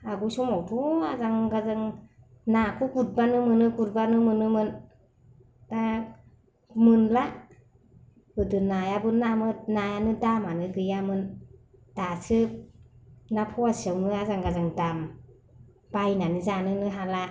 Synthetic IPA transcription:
aɡusumawtʰuazaŋɡazɯŋ | nakʰuɡut̚banɯmɯnɯɡut̚banɯmɯnɯmɯn | da | mɯnla | ɯdɯnajabɯnːamɯt̚najanɯdamanɯɡɯjamɯn | d̥asɯ | napʰɔasiawnɯazaŋɡazaŋdam | b̥ajnanɯzanɯnɯɦala

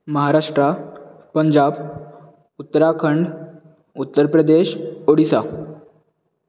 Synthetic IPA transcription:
məɦaɾaʂʈɾa | pəɲd͡ʑab | ut̪ːəɾakʰəɳɖ | ut̪ːəɾpɾəd̪eɕoɽisa̰

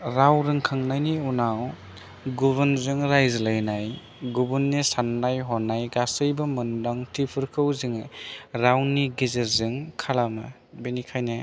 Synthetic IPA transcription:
ɾawɾɯŋkʰaŋnajniunaw | ɡuβɯnzɯŋɾajzlajnaj | ɡubunːisanːajɦɔnːajɡasɯjbɐmɯndaŋtʰipʰɯɾkʰɯwzɯŋɾawniɡizeɾzɯŋkʰalawnɯ̰ | benikʰajna

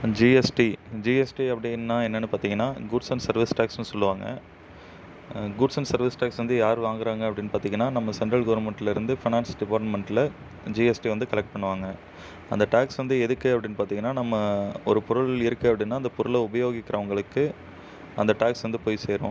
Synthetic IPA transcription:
d͡ʒiɛsʈid͡ʒiːɛsʈiɐpːɐɽɪnːaːɛnːɐnːɯpaːɾt̪iːŋɡɐnːaːɡuːʈsɐɳɖsɐɾʋɪsʈaːksnɯsɔlːɯʋaːŋɡɐ̰ | ɡuːɖsɐɳɖsɐɾʋɪsʈaːksʋɐnd̪ɯjaːɾʋaːŋɡɪɾaːŋɡɐɐpːɐɽɪnːɯpaːɾt̪iːŋɡɐnːaːnɐmːɐsɛɳʈɾɐlɡɐʋɐɾmɛɳʈɪlɪɾɯnd̪ɯfɪnaːnsɖɪpaːɾʈmɛɳʈɪlɐ | d͡ʒiɛsʈiʋɐnd̪ɯkɐɭɛk̚ʈ̚pɐɳːɯʋaːŋɡɐ | ɐ̰nd̪ɐʈaːksʋɐnd̪ɯɛðɯkːɯɐpːɐɽɪnːpaːɾt̪iːŋɡɐnːaːnɐmːɐɔɾɯpɔɾʊɭɪɾɯkːɯɐpːɐɽɪnːaːɪnd̪ɐpɔɾɯɭɐʊbɐjoːɣɪkːɪɾɐʋɐŋɡɐɭɯkːɯ | ɐnd̪ɐʈaːksʋɐnd̪ɯpoːjseːɾʋõ̰

